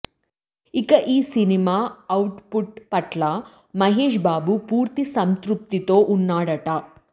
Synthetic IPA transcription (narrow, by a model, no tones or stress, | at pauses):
ikɐʔiːsinimaːɐwʈpuʈ̚pɐʈla | mɐɦeːʃbaːbupuːɾt̪isɐmt̪ɾup̚t̪it̪oːʔunːaːɽɐʈaː